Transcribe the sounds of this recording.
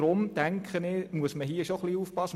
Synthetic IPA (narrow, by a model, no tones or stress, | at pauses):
ɾʊmtæŋkχənɪmuəsməɦiəʃoχliːuːfpɑs